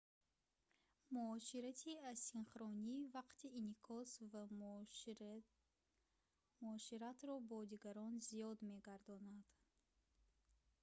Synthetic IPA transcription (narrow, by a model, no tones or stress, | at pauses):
muɔʃiɾat̪ʰiasinχɾɔnivaqt̪ʰiːnikʰɔsva | muɔʃiɾat̪ɾɔbɔd̪iɡaɾɔnzijɔd̪me̞ɡaɾd̪ɔnad̪̥